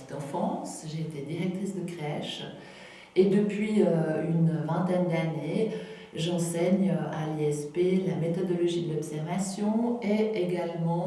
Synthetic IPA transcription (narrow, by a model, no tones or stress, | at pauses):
i̥t̪ɑ̃fɑ̃sʒeːt̪ed̪iʁɛk̚t̪χisd̪əkχɛʃ | ed̪əpɥiøynvɛ̃t̪ɛnd̪ane | ʒɑ̃sɛɲøaliɛspelamet̪ɔd̪ɔlɔʒid̪əlɔpsɛʁvasjɔ̃eeɡalmɑ̃